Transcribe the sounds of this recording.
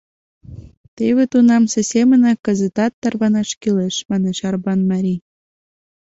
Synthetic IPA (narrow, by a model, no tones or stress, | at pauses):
t̪eβet̪unɑmsĕsemə̆nɑkə̆zə̆t̪ɑt̪ːɑrβɑnɑʃkileʃmɑneʃɑrβɑnmɑɾʲi